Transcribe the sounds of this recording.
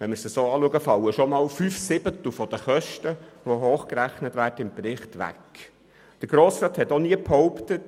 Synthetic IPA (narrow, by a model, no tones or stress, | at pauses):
ʋɛnməɾsəsoːɑːluəɡəfɑləʃɔmɑːlfyfsɪb̥ət̪l̩fɔd̥̪əχœʃtəʋoɦoːχkɾæχnətʋæːɾdəɪmprɪχt̪ʋæ̰k | d̥əɾɡ̥ɾoːsɾɑːt̪hɛtɔniəphɔʊptət